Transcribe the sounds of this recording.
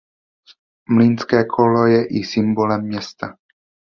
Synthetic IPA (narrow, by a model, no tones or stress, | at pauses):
mlinskɛːkʰolojɛʔisɪmbolɛmːɲɛst̪a